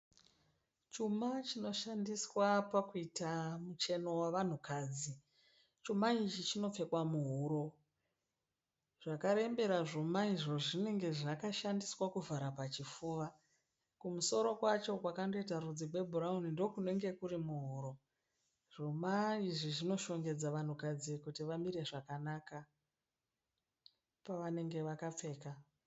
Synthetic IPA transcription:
t͡ʃumat͡ʃino̞ʃandiswapakuitamut͡ʃe̞no̞waʋan̤ukaːd͡zi | t͡ʃumait͡ʃit͡ʃino̞p͡fe̞kwamuɦuɾo̞ | ʐ̥akaɾe̞mbe̞ɾaʐumaiʐo̞ʐine̞ŋɡe̞ʐakaʃandiswakuvʱaɾapat͡ʃifuːʋa | kumuso̞ɾo̞kwat͡ʃo̞kwakando̞it̬aɾud͡zikwe̞bʱuɾaunindo̞kune̞ŋɡe̞kurimuɦuːɾo̞ | ʐ̥omaiʐiʐino̞ʃo̞ŋɡe̞d͡zaʋan̤ukad͡zikutiʋamiɾe̞ʐakanaka | paʋane̞ŋɡe̞ʋakap͡fe̞ːka

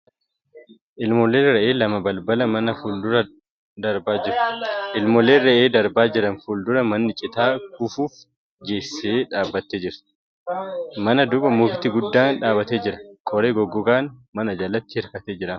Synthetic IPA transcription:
ʔɪlmɔleːrɐʔe̞ːlɐmɐbɐlbɐlɐmɐnɐfuːld̪ʊɾɐ | d̪ɐɾbaːd͡ʒɪɾʔɪlmɔleːrɐʔeːd̪ɐɾbaːd͡ʒɪɾɐnfuːld̪ʊɾɐmɐnːɪt͡ʃʼɪt̪aːkʊfuːf | ɡeːsːeːᶑaːbːɐt̪ːeːd͡ʒɪɾt̪ | mɐnɐd̪ʊbɐmʊɡt̪ɪɡʊd̪ːaːnᶑaːbɐt̪eːd͡ʒɪɾɐ̥kʼɔɾeːɡɔɡːɔɡaːnmɐnɐd͡ʒɐlɐt̪ːɪhɪɾkɐt̪eːd͡ʒɪɾɐn

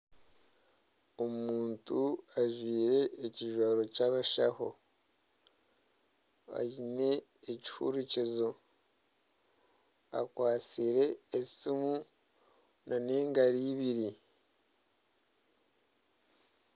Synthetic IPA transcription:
omuːntuaʒwiːɾe̞ːciʒwaːɾo̞caβaʃa̰ho̰ | a̰jine̞ː | ci̥hṵɾucizo̞ | a̰kwaːt͡siɾe̞ːsimu | nane̞ːŋɡaɾiːβiɾi

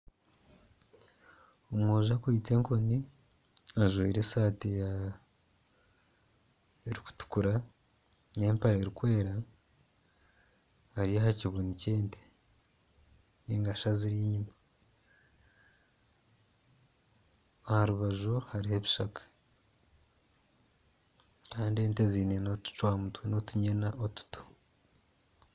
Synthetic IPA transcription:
omŋoːʒakwiːte̞ːŋkoni | aʒeiɾesaːtija | eɾiku̥tu̥kuɾa | ne̞ːmpaɾeeɾikwe̞ːɾa | haɾijahaciβuniceːnte̥ | niːŋɡaʃaziɾiɲima | ahaɾuβaʒuhaɾiheβi̥ʃakḁ | kaːndie̞ːnteziːnenotu̥t͡ʃwaːmutweno̞tuɲenaʔotu̥tʰo̥

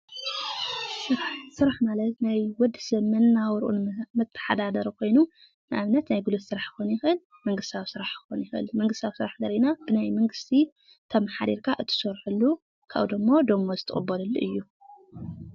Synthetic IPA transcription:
sɨɾħsɨɾaħmalɐt̪najwɔd̪ːɨsɐβmɐnːawɾʔṵnmɨt̪ʰːɐ̥ħa̰d̪ad̪ɐɾkʰo̞jnu | nɨʔaβnɐt̪najɡɨlot̪sɨɾaħxonjɪxɨl | mɐŋɡɨst̪ʰawsɨɾaħxo̰njɪxɨ̰lmɐŋɡɨst̪ʰawsɨɾaħd̪ɐɾinab̥ɨnajmɐŋɡɨst̪ʰi | t̪ʰɐmaħad̪iɾkʰaʔɨt̪ʰɨ̥sɔɾħulːu | kʰa̰βd̪omːod̪omːozɨt̪ʰɐ̰χʼɨbːɐlɨlːʔɨjːu

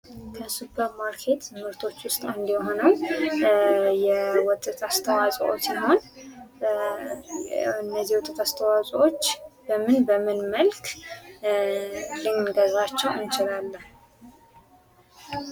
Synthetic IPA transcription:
kʰəsupʰəɾmaɾkʰe̞t̪ʰɨmɨɾt̪ʰo̞t͡ʃːwʊst̪ʼɨnd̪iɦo̞nəw | jɛwɔt̪ʼɨt̪ʰast̪ʰəwasʼʔo̰t͡ʃiɦo̞n | ɨnːəziwɔt̪ʼːɨt̪ʰast̪ʰəwasʼwot͡ʃːbəmɨnbəmɨnməlkʰ | lɨŋɡəzat͡ʃːɛwɨnt͡ʃɪlalːən

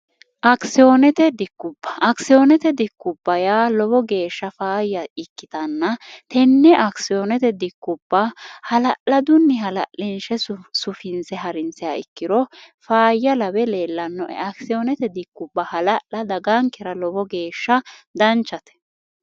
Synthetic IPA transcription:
ʔɐksɪoːnɛt̪ɛd̪ɪkːʊbːɐ̥ʔːksɪjoːnɛt̪ɛd̪ɪkːʊbːɐjaːlɔbɔɡe̞ːʃːɐfaːjːɐɪkːɪt̪ɐnːɐt̪ɛnːɛʔɐksɪjoːnɛt̪ɛd̪ɪkːʊbːɐhɐlɐʔlɐd̪ʊnːɪɦɐlɐ̰ʔɪnʃɛsʊfɪnsɛɦɐɾɪnsɪjaːɪkːɪd̪ɔ | faːjːɐlɐbɛle̞ːlːɐnːɔʔɛ̰ɐksɪjoːnɛt̪ɛd̪ɪkːʊbːɐhɐlɐʔlɐd̪ɐɡaŋkɛɾɐlɔbɔɡe̞ːʃːɐd̪ɐnt͡ʃːɐt̪ɛ̥

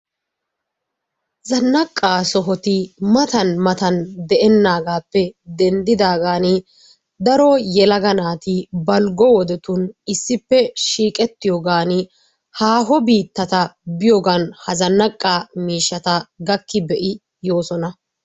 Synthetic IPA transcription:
zɐnːɐkʼːaːsɔɦɔt̪ɪmɐt̪ɐnmɐt̪ɐnd̪ɛʔɛnːaːɡaːpːɛd̪ɛnd̪ɪd̪aːɡaːnɪ | d̪ɐɾɔjɛlɐɡɐnaːt̪ɪbɐlɡɔwɔd̪ɛt̪ʊnɪsːɪpːɛʃiːkʼɛt̪ːɪjɔɡaːnɪ | haːɦɔbiːt̪ːɐt̪ɐbɪjɔɡɐnhɐzɐnːɐkʼːaːmiːʃːɐt̪ɐɡɐkːɪbɛʔɪ | jo̞ːsɔnɐ

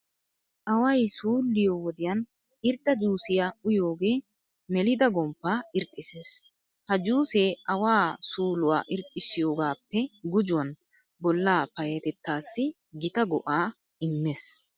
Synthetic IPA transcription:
ʔɐwɐjsuːlːɪjoːwɔd̪ɪjɐn | ɪɾd̪ːɐd͡ʒuːsɪjaːʊjo̞ːɡe̞ː | mɛlɪd̪ɐɡɔmpːaːɪɾt̪ʼːɪse̞ːs | hɐd͡ʒuːseːɐwaːsuːlʊwa̰ːʔɪɾt̪ʼːɪsɪjo̞ːɡaːpːɛɡʊd͡ʒʊwɐn | bɔlːaːpɐjɐt̪ɛt̪ːaːsːɪ | ɡɪt̪ɐɡɔʔaː | ɪmːeːs

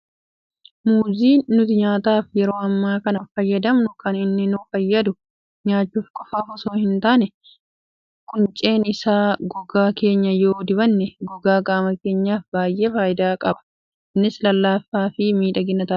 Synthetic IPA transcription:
muːziːʊt̪ɪɲaːt̪aːfjɛɾo̞ːɐmːaːkɐnɐfɐjːɐd̪ɐmnʊkɐnɪnːɪnʊfɐjːɐd̪ʊ | ɲaːt͡ʃːuːfkʼɔfaːfɔso̞ːhɪnt̪aːnɛ | kʊnt͡ʃʼe̞ːnɪsaːɡɔɡaːke̞ːɲːɐjo̞ːd̪ɪbɐnːɛɡɔɡaːɡaːmɐke̞ːɲːaːfbaːjʔe̞ːfaːjɪd̪aːkʼɐbɐ̥ | ɪnːɪslɐlːaːfːaːfɪmiːᶑɐɡɪnːɐt̪ɐː

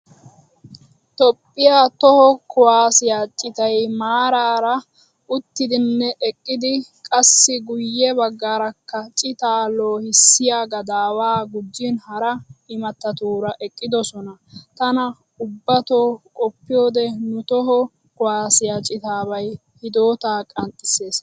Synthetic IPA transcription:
t̪ɔpʼːɪjaːt̪ɔhɔkʊwaːsɪjat͡ʃʼɪt̪ɐjmaːɾaːɾɐ | ʊt̪ːɪd̪ɪnːɛʔɛkʼːɪd̪ɪkʼɐsːɪɡʊjːɛbɐɡːaːɾɐkːɐt͡ʃʼɪt̪aːloːhɪsːɪjaːɡɐd̪aːwaːɡʊd͡ʒːɪnhɐɾɐɪmɐt̪ːɐt̪uːɾɐʔɛkʼːɪd̪ɔsɔnɐt̪ɐnɐ | ʊbːɐt̪oːkʼɔpːɪjoːd̪ɛnʊt̪ɔɦɔ | kʊwaːsɪjat͡ʃʼɪt̪aːβɐj | hɪd̪oːt̪aːkʼɐnt̪ʼːɪse̞ːs

